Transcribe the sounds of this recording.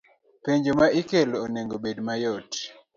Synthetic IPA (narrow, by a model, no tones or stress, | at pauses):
peɲd͡ʒomaʔikeloneŋɡobedmajɔt